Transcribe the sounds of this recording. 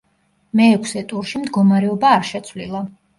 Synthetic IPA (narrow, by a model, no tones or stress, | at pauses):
mɛːkʰsɛt̪ʼuɾʃimd̪ɡɔmaɾɛɔbaːɾʃɛt̪sʰvlilˠa